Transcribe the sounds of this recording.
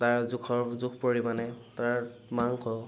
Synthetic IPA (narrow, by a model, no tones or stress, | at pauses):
taɹzʊkʰɔɹzukʰpoɹimanɛtaɹmaŋkʰɔ